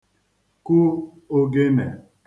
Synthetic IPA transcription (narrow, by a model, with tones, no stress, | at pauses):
ku˦ | o˦ɡe˦nḛ˨